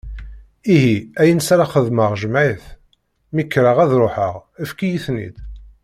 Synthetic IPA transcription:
iɦiæjənsɾaχəðməʁʒəmʕiθ | mikːɾəʁæðɾˤoħəʁəfkijiθnḭd̪

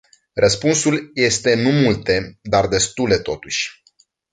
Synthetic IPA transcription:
rəspunsulje̞st̪e̞numult̪e̞d̪ard̪e̞st̪ule̞t̪o̞t̪uʃʲ

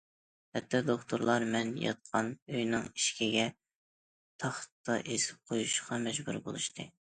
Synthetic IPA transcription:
hɛt̪ʰːɑd̪okt̪ʰoɾlˠɑɾmɛnjɑ̰t̪̚qʰɑnøjnɨŋiʃkʲʰiɡʲɛ | t̪ʰɑχt̪ːɑʔesɪ̥p̚qʰojuʃqɑmɛd͡ʒbuɾbo̰lˠuʃt̪ʰɨ

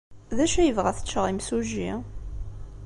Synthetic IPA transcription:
ðæʃæjəvʁæθə̥t͡ʃːəʁˤimsuʒi

